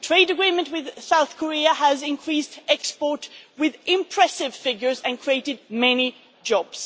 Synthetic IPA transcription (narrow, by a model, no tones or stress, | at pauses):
tʰɹ̥eɪdəɡɹimə̃ntwɪð̥saʊθkʰəɹiəəzɪ̃nkʰɹ̥istɛkspɔɹtwɪðɪ̃mpʰɹ̥ɛsɪv̥fɪɡjə˞zɨ̃nkʰɹieɪɾɪd̚mɛni | d͡ʒɔbs